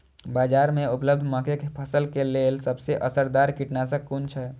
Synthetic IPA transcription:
bad͡ʒaɾmeupləb̚d̪ʱməkʰekepʰəsəlkelelsəbseʔəsəɾd̪aɾkiʈnasə̃kːunt͡ʃʰɛ

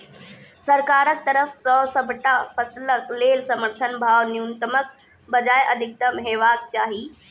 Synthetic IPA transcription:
sɐɾkaːɾək̚t̪ɐɾəfsɔːsɐbʱʈafɐsləkleːlsɐməɾt̪ʰənbʱaːʋnjuːnt̪əmək | bɐd͡ʑaːjʔɐd̪ʱɪk̚t̪ɐmɦeːʋaːk̚t͡ɕaːɦiː

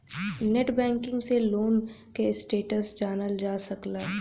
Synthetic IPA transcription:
neʈbɛ̃ːŋkɪ̃ŋɡseloːn | kesʈeːʈəsd͡ʒaːnəld͡ʒaːsɐklaː

